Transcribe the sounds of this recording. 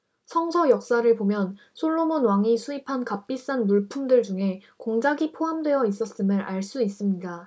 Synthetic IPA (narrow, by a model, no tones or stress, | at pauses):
sʰʌŋsʰʌjʌk̚s͈aɾɯɭpomjʌn | sʰoɭːomonwaŋisʰuipʰankap͈̚is͈anmuɭpʰumdɯɭd͡ʑuŋe̞koŋd͡ʑaɡipʰoɦamdwe̞jʌis͈ʌs͈ɯmɯɾʔaɭs͈uis͈ɯmɲida